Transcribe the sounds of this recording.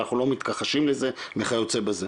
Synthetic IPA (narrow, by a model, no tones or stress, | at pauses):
aχnulo̞mit̪kaχaʃimlezemeχajot͡sebaze